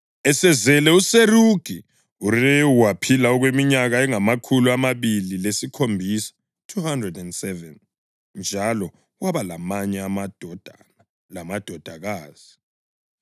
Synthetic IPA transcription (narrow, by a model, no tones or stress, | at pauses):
ɛsɛzɛlɛuseruɡ̥ʱi | ureuwapʰilaɔɣwemiɲaɣaɛŋamakʰuluamaβililesikʰombʱisḁ | tʰuhandrɛdɛndsɛvɛn | nd͡ʒʱalɔ | waβalamaɲɛad̥d̥ʱ | lamad̥ʱɔd̥ʱaɣaːz̥i